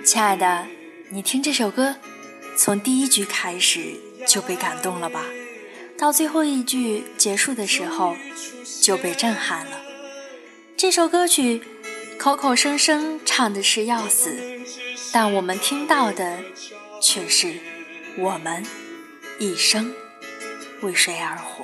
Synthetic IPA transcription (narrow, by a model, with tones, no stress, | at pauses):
t͡ɕʰi˥a˥˧˩ɪd̪ə˩ | ni˨˩t̪ʰi˥ŋʈ͡ʂɤ˥˩ʂo˨˩ʊkɤ˥ | t͡sʰʊ˧˥ŋt̪i˥˧i˥t͡ɕy˧˥kʰa˥ɪʂɻ̩˨˩ | t͡ɕjo˥˧ʊpe˥˩ɪka˨˩nt̪ʊ˥˩ŋlə˩bɐ˩ | t̪ɑ˥˧ʊt͡swe˥˧ɪxo˥˧ʊi˥˧t͡ɕy˥˩t͡ɕjɛ˧˥ʂu˥˩d̪ə˩ʂɻ̩˧˥xo˧ʊt͡ɕjo˥˧ʊpe˥˧ɪʈ͡ʂə˥˧nxa˥˩nlə˩ | ʈ͡ʂɤ˥˩ʂo˨˧˩ʊkɤ˥t͡ɕʰy˨˧˥ | kʰo˧˥ʊkʰo˨˩ʊʂɤ˥ŋʂɤ˥ŋʈ͡ʂʰɑ˨˩ŋd̪ə˩ʂɻ̩˥˧jɑ˥˩ʊsɹ̩˨˩˦t̪a˥˩nwɔ˨˩mə˦nt̪ʰi˥ŋt̪ɑ˥˩ʊd̪ə˩ | t͡ɕʰɥɛ˥˩ʂɻ̩˥˩ | wɔ˨˩mə˦n | i˥˩ʂɤ˥ŋ | we˥˩ɪʂwe˧˥ɪə˞˧˥xwɔ̰˧˩˦